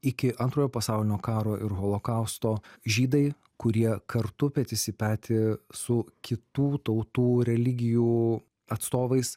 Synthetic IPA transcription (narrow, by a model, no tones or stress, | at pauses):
ɪkʲɪʔɐ̃nt̪ɾoːjoːpɐsɑˑʊlʲɪnʲoːkɑːɾoːʔɪɾɣoːlˠoːkɐʊst̪oːʒʲiːd̪ɐɪ | kʊɾʲiɛkɐɾt̪ʊpʲɛt̪ʲɪsʲɪpʲæːt̪ʲɪsʊkʲɪt̪uːt̪ɐʊt̪uːɾʲɛlʲɪɡʲɪjuː | ɐt̪st̪oːʋɐɪs